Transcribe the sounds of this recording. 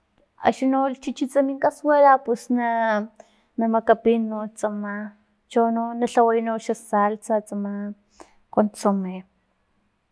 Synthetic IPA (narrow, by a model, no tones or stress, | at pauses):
a̰ʃinolt͡ʃit͡ʃit͡samiŋkaswelapusna | namakapinot͡sama | t͡ʃononaɬawajnoʃasalt͡sat͡sama | kont͡some